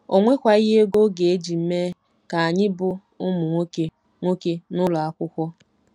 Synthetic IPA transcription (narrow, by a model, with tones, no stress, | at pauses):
o˨ŋʷe˦kʷa˨i˦ɦe˦ɡo˦ɡe˨e˦d͡ʒi˨m̩˦me˦ | ka˨a˨ɲɪ˦bʊ˦ | ʊ˦mʊ˨ŋʷo˦ke˦ | ŋʷo˦ke˦nʊ˦lʊ˨a˦kʷʊ˦kʷɔ˦